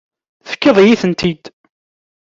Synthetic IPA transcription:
θə̥kːəðˤjiθənt̪ʰid̪

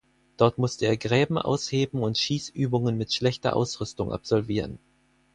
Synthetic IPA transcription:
d̥ɔɐtmʊstəeːɐɡʁɛːbm̩ʔa̰ʊsheːbm̩ʊntʃiːsyːbʊŋənmɪtʃlɛçtɐ̰ʔa̰ʊsʁʏstʊŋʔa̰pz̥ɔlviːʁən

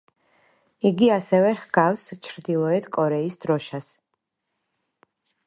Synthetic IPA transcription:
iɡiasɛvɛhɡawst͡ʃʰɾd̪ilˠɔɛt̪ʰkʼɔɾɛisd̪̥ɾɔʃas

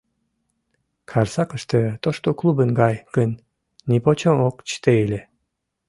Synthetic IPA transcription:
kʰɑrsɑkəʃt̪ə̆t̪oʃt̪oklˠubənɡɑjkənːʲ | ipot͡ɕookt͡ɕt̪eilʲe

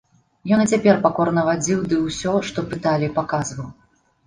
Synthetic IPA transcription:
jɔnɨt͡sʲapʲɛrpakɔɾnɐvad͡zʲiwd̪ɨwsʲɔʂt̪ɔpɨt̪alʲipakazvɐw

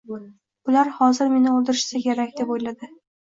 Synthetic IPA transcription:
b̥ʊlaɾhɒzɪɾme̞nɪolˠd̪ɪɾɪʃsakʲʰe̞ɾakʲd̪e̞pojlad̪ɪ

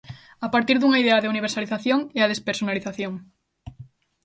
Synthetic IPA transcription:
apaɾt̪iɾðuŋaiðeaðeuniβ̞eɾsaliθaθjoŋeað̞espeɾsonaliθaθjoŋ

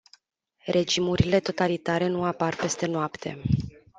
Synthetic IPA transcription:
rʔe̞d͡ʒimuɾile̞t̪o̞t̪alit̪aɾe̞nuaparpe̞st̪e̞noapt̪ʰe̞̰

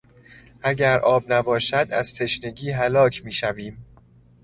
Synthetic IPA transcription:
ʔæɟæɾʔɒːbnæbɒːʃæd̪æ̰z̥t̪ʰe̞ʃne̞ɟiːɦælɒːcʰmiːʃæviːm

